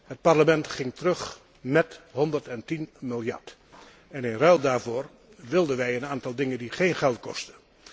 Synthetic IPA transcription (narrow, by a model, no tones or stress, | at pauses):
ɦət̚paɹləmɛntχɪŋtərɵχ | mɛtɦɔndəɹtɛntinmɪlˠjɑ̰ɹt | ɛnɪnrœlˠdaːɹvʊːɹ | ʋɪlˠdənʋɛjənaːntɑlˠdɪŋəndiχejnχɛlˠtkɔ̰stə